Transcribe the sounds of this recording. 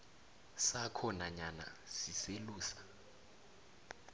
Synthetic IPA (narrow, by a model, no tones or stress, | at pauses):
sakʰɔnaɲana̰siseluːsḁ